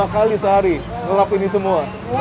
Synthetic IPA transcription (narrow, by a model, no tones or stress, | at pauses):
akalisəɦaɾi | ŋəlapinisəmua